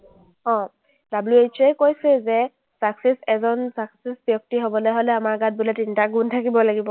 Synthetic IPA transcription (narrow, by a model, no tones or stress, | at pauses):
ɔ̃ | dabluet͡ʃɛjkojsɛzɛ | saksɛsɛzɔnsaksesbjɔk̚tiɦobɔlojɦolɛamaɹɡat̚bulatintaɡuntʰakibɔlaɡibɔ